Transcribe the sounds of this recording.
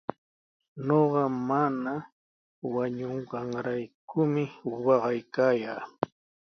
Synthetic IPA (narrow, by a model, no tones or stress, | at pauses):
noɢɑmana | waɲoɴɢɑŋɾajkʊmɪwɑɢɑjkaːjaː